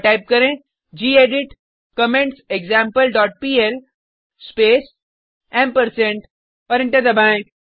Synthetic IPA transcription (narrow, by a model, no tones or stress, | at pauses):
ʈaɪp̚kɐɾẽ | d͡ʒiːeːɖɪʈ | kɐmẽɳʈseɡzãːmpəlɖɔːʈ̚piːel | speːs | ɛ̃ːmpəɾsẽɳʈ | ɔːɾɪ̃ɳʈəɾd̪əbɛ̃ːŋk